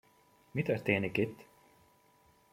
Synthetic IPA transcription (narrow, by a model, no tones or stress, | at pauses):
mit̪œɾt̪eːnikit̪